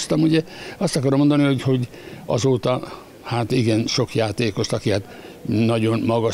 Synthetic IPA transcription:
st̪ɒmuɟɛɒst̪ɒkɒrɾomo̞nd̪ɒniho̞ɟho̞ɟ | ɒ̰zoːt̪ɒ | haːt̪iɡɛnʃo̞kjaːt̪eːko̞ʃt̪ɒkihat̪ | nɒɟo̞nmɒɡɒ

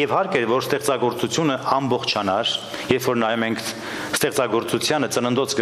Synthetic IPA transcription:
jɛvhɑɾkɛɾvɔɾst̪ɛχt͡sɑɡɔɾt͡sut͡sʰjunəɑmbɔχt͡ʃʰɑnɑɾ | jɛɾfɔɾnɑjɛmɛŋkʰ | st̪ɛχt͡sɑɡɔɾt͡sut͡sʰjɑnət͡sənənd̪ɔt͡sɡə

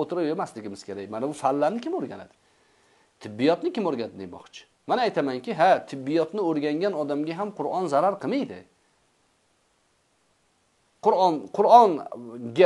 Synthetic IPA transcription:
ot̪ʰɪɾajemaslɪɡʲɪmɪz̥kʲʰe̞ɾajʲmanabʊfalːaɾnɪkʲʰɪmoɾɡʲa̰na̰d̪ɪ̥ | t̪ʰɪbːijɒt̪nɪkʲɪmoɾɡʲanad̪ɪd̪emɒ̰χt͡ʃʰɪ̥ | manajt̪ʰamaŋkʲɪɦat̪ʰɪbːɪjɒt̪nɪoɾɡʲaŋɡʲanɒd̪amɡʲaɦamqʰʊɾɒnzaɾaɾqʰɨmajd̪ɪ̰ | qʰʊɾɒnqʰʊɾɒnɡʲa

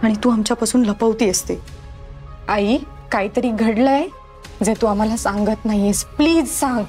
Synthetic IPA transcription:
aɽ̃it̪uːamt͡ɕjapasuːnləpəʋt̪iːəst̪e | ai | kaiːt̪əɾiːɡʱəɽləj | d͡zet̪uːam̤alasãŋɡət̪naɦjespliːd͡zsãŋɡ

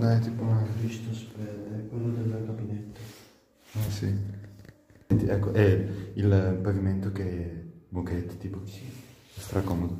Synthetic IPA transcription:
d̪aɛt̪iponakɾiʃt̪ospɛdkwelːod̪elkabinɛt̪ːo | asḭ | nt̪iʔɛkːoʔɛilpaɡiment̪okemukɛt̪ːt̪iːpo | st̪ɾakomo

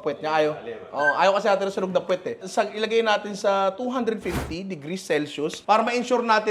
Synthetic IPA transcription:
pwɛt̪̚ɲɐʔaːjoʔoʔʔaːjowkɐsɛnaːt̪ɪnsɐnoɡ̚nɐpwɛt̪ɛsɐʔɪlɐɡajnaːt̪ɪnsɐt̪uɦand̪ɾɛd̪̚fift̪id̪ɪɡɾisɛlsʊspaːɾɐmɐʔɪnʃuɾnaːt̪ɪ

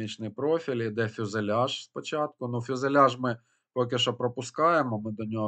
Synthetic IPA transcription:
it͡ʃnɪjpɾofʲilʲid̪ɛfʲʊzelʲaʒspɔt͡ʃɑt̪̚kʊnufʲʊzelʲɑʒmɪ | pɔk̬ʲɪʃɔpɾɔpʊskɑjemɔmɪd̪ɔnʲɔɦɔ

